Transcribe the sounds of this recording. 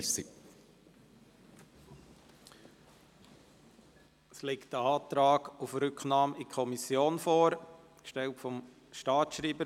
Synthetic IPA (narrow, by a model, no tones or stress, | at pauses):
sḭ | slɪktəɑːt̪ɾɑːɡufɾʏkχnɑːmikʰɔmisjoːnfoːɾ | kʃtɛltfɔm | ʃtɑːtʃɾiːbə